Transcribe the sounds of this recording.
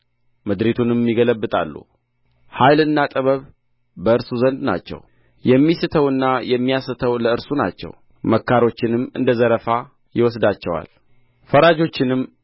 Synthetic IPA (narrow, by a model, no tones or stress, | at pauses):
mɨd̪ɾet̪ʰunɨmːiɡələbːɨt̪ʼa̰lːṵ | hajlɨnːat̪ʼəβəβ | bəɨɾsuzənd̪na̰t͡ʃːɛ̰w | jɛmːisɨt̪ʰəwɨnːajɛmːijasɨt̪ʰəwləɨɾsuna̰t͡ʃːɛ̰w | məkːaɾo̞t͡ʃːɪnɨmɨ̰nd̪əzəɾəfa | jɪwɔs̬d̪at͡ʃːɛwa̰l | fəɾad͡ʒo̞t͡ʃːɪnɨm